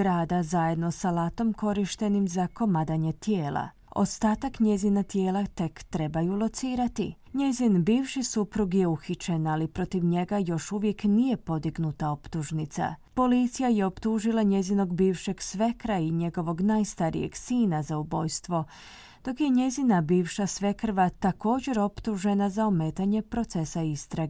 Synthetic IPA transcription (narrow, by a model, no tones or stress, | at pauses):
ɾaːd̪azaje̞d̪no̞salaːt̪o̞mko̞ɾiʃt̪e̞nimzako̞mad̪aɲe̞t̪jeːlˠa̰ | o̞̰st̪aːt̪akɲe̞zinat̪je̞ːlat̪e̞kt̪ɾe̞bajulˠo̞t̪siːɾat̪i | ɲe̞zinbiːʋʃisupɾuɡje̞uxit͡ɕe̞nalipɾo̞t̪iʋɲe̞ɡajo̞ʃuʋje̞knije̞po̞d̪iɡnut̪ao̞pt̪uʒnit̪sa̰po̞lit̪sijajeo̞pt̪uʒilˠaɲe̞zino̞ɡbiːʋʃe̞ɡsʋe̞kɾaiɲe̞ɡo̞ʋo̞ɡnajst̪aɾḭje̞̰ɡsiːnazaubo̞jst̪ʋo̞ | d̪̥o̞kje̞ɲe̞zinabiːʋʃasʋe̞kr̩ʋat̪ako̞ːd͡ʑe̞ɾo̞pt̪uʒe̞nazaome̞ːt̪aɲe̞pɾo̞t̪se̞saist̪ɾaɡ